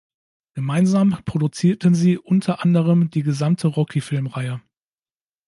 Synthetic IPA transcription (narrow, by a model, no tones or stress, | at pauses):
ɡ̥əmaɪnzaːmpʁ̥odut͡siːɐtənziːʔʊntʰɐʔandəʁ̞əmdiːɡəzamtʰəʁɔkʰifɪlmʁaɪə